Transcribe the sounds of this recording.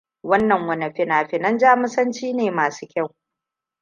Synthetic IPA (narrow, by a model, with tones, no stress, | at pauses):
wɐ˦nːɐ˨ŋwɐ˨nɐ˨ɸɪ˦naː˨ɸɪ˨nɐ˦nd͡ʒaː˦mʊ˦sɐ˦nt͡ʃiː˦neː˨maː˨su̥ː˦kʲɐ˦˨w